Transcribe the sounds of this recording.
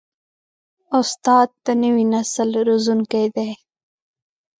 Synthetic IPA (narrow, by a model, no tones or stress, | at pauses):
ʊst̪ɑd̪̚ːanəwinasəlɾozunkejd̪e